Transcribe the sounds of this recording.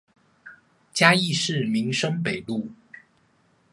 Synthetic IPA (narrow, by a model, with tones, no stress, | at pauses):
t͡ɕja˥i˥˧ʂɻ̩˥˨mi˨˦ŋʂə˥ŋpe˨˩ɪlu˥˩˨